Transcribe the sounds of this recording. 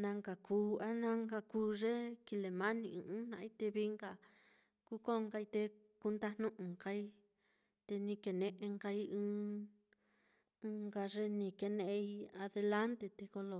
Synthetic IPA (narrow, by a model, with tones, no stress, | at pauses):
nã˧ŋɡa˨ku˧˦a˦nã˦˧ŋɡa˧ku˧˦ʐe˦ki˧le˨mã˦nĩ˧ɨ̃˧ɨ̃˦nã˧ʔi˦t̪e˧βi˦ŋɡa˨ | ku˦ko˦˧ŋɡa˧i˧t̪e˧ | ku˧nd̪a˧nnũ˦ʔũ˨ŋka˧i˦ | t̪e˧nĩ˧ke˨nẽ˧ʔe˧ŋɡa˧i˦ɨ̃˦ | ɨ̃˧ŋɡa˧ʐe˦nĩ˧ke˧nẽ˧˦i˦a˧ðe˧la˦nt̪e˧t̪e˧ko˧lo˧˨